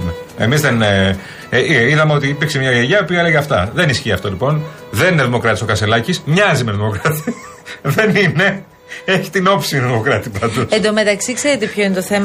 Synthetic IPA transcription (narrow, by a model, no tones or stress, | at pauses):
meḛmizðen | iðɐme̞ot̪iːpiɾksemɲɐjeʝɐopiɐeleɣeɐft̪ɐ̰ðe̞nisçiːɐft̪o̞lipo̞n | ðe̞nineðimo̞kɾɐt̪iso̞kɐselɐcismɲɐzimeðimo̞kɾɐt̪i | ðe̞nine̞ | eçi̥t̪ino̞psiðimo̞kɾɐt̪ipɐd̪usend̪omet̪ɐksikseɾot̪epçoinet̪oθem